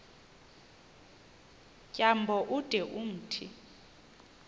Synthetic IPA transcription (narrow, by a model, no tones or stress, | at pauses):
cʼambʱɔʔud̥ʱɛʔum̩ːtʰi